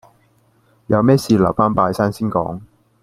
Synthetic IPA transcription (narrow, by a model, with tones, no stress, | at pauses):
jɐ˨˧wmɛː˥siː˨˧lɐ̰˨˩wfaː˥npaː˧jsaː˥nsiː˥nkɔ̰ː˨˥ŋ